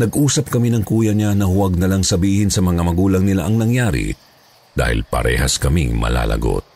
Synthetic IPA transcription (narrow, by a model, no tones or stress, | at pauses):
nɐɡʔuːsɐp̚kɐminɐŋkuːjɐɲanɐhʊwɐɡ̚nɐlaŋsɐbiːhɪnsɐmɐŋamɐɡuːlɐŋnɪla̰ʔɐŋnɐŋjaːɾɪ̰ | d̪̥a̰ːhɪ̰lpɐ̰ɾɛ̰ːhɐskɐmiŋmɐ̰la̰ːlʔɐ̰ɡo̰t̪̚